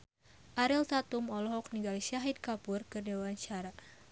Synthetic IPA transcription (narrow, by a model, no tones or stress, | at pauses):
ʔaɾilt̪at̪umɔlɔɦɔk̚niɡalisaɦid̪̚kapurkɨrdewaɲt͡ʃaɾa